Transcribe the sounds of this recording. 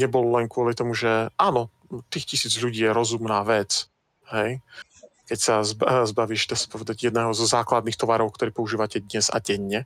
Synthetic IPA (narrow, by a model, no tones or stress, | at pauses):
ɲɛbɔlɔlɛŋkʊɔlit̪ɔmuʒɛaːnɔ | t̪iːxcisiːd͡zʎuɟiːjɛɾɔzumnaːʋɛt͡s | ɦɛj | kɛcsazbzbaʋiːʃd̪aːsḁpɔʋɛd̪aɟjɛd̪nɛːɦɔzɔzaːklad̪nixt̪ɔʋaɾɔʊkt̪ɔɾiːpɔuʒiːʋacɛd̪ɲɛza̰ɟɛɲːɛ